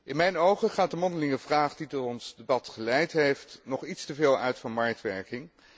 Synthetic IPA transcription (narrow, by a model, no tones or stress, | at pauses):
ʔɪnmɛjnowχəχaːt̚dəmɔndəlɪŋəvraːχditɔtɔnsdebɑtχəlɛjtɦejftnɔχitstəveːlˠœɥtfɑnmɑɹk̚tʋɛɹkɪŋ